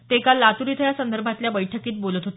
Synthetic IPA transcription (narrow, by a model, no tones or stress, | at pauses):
t̪ekalːat̪uɾit̪ʰəjasənd̪əɾbʱat̪ljabəjʈʰəkiːt̪̚bolət̪ɦot̪